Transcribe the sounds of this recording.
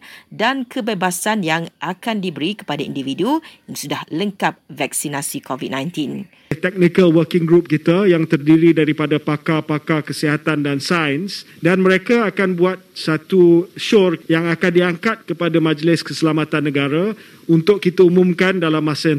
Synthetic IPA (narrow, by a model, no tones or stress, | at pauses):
dankʰəbebasanjaŋʔakandibəɾikə̥padaḭndividujaŋsudahləŋkap̚vɛk̚sinasikovid̚nãjnt̪in | t̪ɛk̚nikəlwəkɪŋɡɾup̚kit̪ajaŋt̪ərdiɾidaɾipadapakapakakəsiɦat̪andansajəns | danməɾekaːkanbuat̪̚sat̪uʃɔrjaŋakandiaŋkat̪̚kəpadamãd͡ʒlɪskəsəlamat̪anːə̃ɡaɾa | unt̪ʊk̚kit̪aumũmkandalamːasə